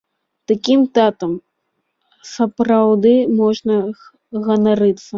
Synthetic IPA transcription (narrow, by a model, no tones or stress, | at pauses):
t̪akʲimt̪at̪ɐm | sɐpɾawd̪ɨmɔʐnɐ | ɣɐnaɾɨt̪sːɐ